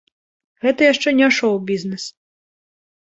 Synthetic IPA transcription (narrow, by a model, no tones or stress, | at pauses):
ɣɛt̪ɐjaʂt͡ʂɛnʲɛʂɔwbʲiznɛs